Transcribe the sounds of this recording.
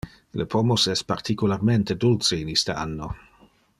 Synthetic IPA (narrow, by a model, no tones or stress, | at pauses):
lʔəpʰomosɛspart̪ʰikularment̪ed̪ult͡səinist̪əanːo